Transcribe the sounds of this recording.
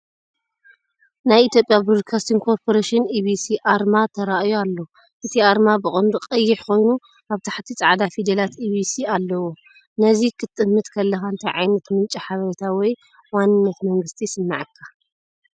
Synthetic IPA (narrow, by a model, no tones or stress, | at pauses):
najit̪ʰjo̞pʼjabɾod̪̚kʰast̪ʰiŋɡkʰo̞ɾpʰo̞ɾeʃɪnibisiʔaɾmat̪ʰɐɾaʔjoalːo̞ | ʔɨt̪ʰiaɾmabɨχʼɨnd̪uqʼɐjːɪħko̞jnu | ʔaβt̪ʰaħt̪ʰit͡sʼaʕd̪afid̪ɐlat̪iβisialːɐwo | nɐzikʰɨt̪ʼɨmːɨt̪kʰɐlːɐxaɨnt̪ʰɐjʕa̰jnɐt̪mɨnt͡ʃʼiħaβɐɾɐt̪ʰawɔj | wanːɨnːɐt̪mɐŋɡɨst̪ʰisɨnːa̰ʕɨkʰːa